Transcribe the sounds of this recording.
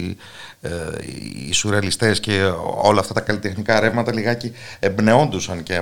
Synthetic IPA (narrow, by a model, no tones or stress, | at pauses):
ḭsuɾeɐlist̪e̞sce̞o̞lɐːft̪ɐt̪ɐkɐlit̪e̞xnikɐːɾe̞vmɐt̪ɐliɣɐciembne̞o̞nd̪usɐnce